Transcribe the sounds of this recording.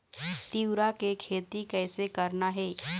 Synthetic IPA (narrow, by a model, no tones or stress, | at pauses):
t̪iwɾakekʰeːt̪ikɛːsekɐɾnaɦɛː